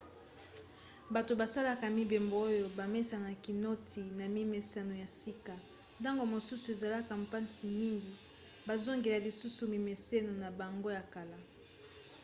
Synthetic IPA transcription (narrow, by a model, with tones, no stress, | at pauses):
ba˨to˨ba˨sa˦la˨ka˨mi˨be˨mbo˨o˦jo˨ba˨me˦sa˨na˨ki˨no˦tʰi˨na˨mi˦me˨sa˦no˨ja˨si˦ka˨ | nda˦ŋɡo˨mo˨su˦su˨e˨za˨la˦ka˨m˨pa˦nsi˨mi˦ŋɡi˨ | ba˨zo˦ŋɡe˨la˨li˨su˦su˨mi˨me˨se˦no˨na˨ba˨ŋɡo˦ja˨ka˨la˦